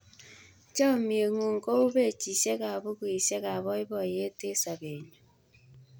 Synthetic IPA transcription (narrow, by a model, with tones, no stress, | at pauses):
t͡ʃɔ˦˨mje˨ŋu˨ŋ̩˨ko˦u˦be˦˨t͡ʃi˨se˦ka˨βo˦kwi˨se˦ka˨βɔ˦ɪ˦bɔ˦˨je˦te˦sa˨be˨ɲo˨